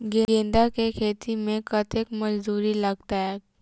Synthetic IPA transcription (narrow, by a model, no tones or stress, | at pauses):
ɡẽɡẽːnd̪akekʰeːt̪imẽkɐt̪ekmɐd͡ʒd̪uːɾilɐɡ̚t̪aɦɛː